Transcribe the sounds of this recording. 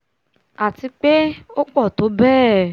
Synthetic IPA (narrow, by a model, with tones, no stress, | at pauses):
a˨ti˧k͡pe˦o˦k͡pɔ˦˨to˨˦bɛː˦˨